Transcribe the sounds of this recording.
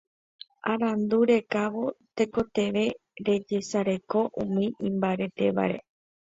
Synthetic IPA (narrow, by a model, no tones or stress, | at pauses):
aɾand̪uɾe̞kaʋo̞t̪e̞ko̞t̪e̞ʋe̞ | ɾe̞d͡ʒe̞saɾeko̞ʔũmĩʔĩmbaɾe̞t̪e̞ʋa̰ɾe̞̰